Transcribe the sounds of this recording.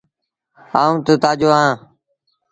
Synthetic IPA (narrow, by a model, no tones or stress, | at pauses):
aːũːt̪ət̪aːd͡ʒoːãː